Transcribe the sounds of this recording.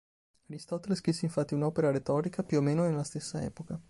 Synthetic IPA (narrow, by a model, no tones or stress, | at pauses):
aɾist̪ɔt̪eleskɾisːeiɱfat̪ːiunɔpeɾaɾet̪ɔːɾikapjuomeːnonelast̪esːaɛ̰ːpoka